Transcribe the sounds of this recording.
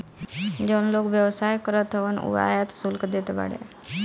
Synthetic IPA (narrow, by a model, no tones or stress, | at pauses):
d͡ʑənlokʋjəwsajkəɾət̪ɦəʋənṵa̰jat̪sulkd̪et̪eba̰ɽḛ